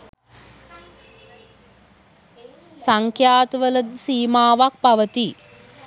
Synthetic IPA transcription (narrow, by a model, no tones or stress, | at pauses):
saŋkʰjaːt̪əʋələd̪siːmaːʋak̚paʋət̪i